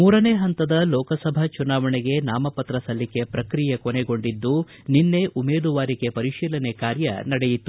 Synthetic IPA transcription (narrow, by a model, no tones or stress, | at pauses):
muːɾɐneːɦɐnt̪ɐd̪ɐlɔːkɐsɐbʱɐt͡ʃunaːʋɐɳɛɡe̞naːmɐpɐt̪ɾɐsɐlːike̞pɾɐkɾijɐkoneɡo̞ɳɖid̪ːu | ninːe̞ʔumeːd̪uʋaːɾike̞pɐɾiʃiːlɐnekaːɾjɐ̰nɐɽejit̪ːu